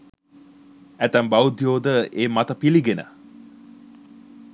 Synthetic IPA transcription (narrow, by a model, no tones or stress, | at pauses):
æt̪æmbawud̪joːd̪əeːmat̪əpiliɡenə̰